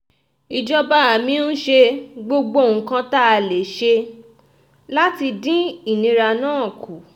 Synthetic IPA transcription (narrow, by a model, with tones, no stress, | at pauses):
i˨d͡ʒɔ˦ba˦˨mĩ˧˦n̩˦ʃe˧ɡ͡bo˧ɡ͡bo˦˨ŋ̩˨kã˦ta˦a˧le˨˦ʃe˧ | la˦ti˧dĩ˦i˦˨nĩ˨˧ɾa˧nãː˦˨ku˨˦